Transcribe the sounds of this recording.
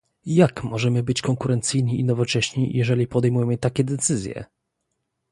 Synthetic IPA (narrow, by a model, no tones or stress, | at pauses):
jakmɔʐɛmɘbɘt͡ɕkɔŋkuɾɛnt̪sɘjɲiinɔvɔt͡ʂɛɕɲijʔɛʐɛlʲipɔd̪ɛjmujɛmɘt̪akʲɛd̪ɛt̪sɘzʲjɛ̰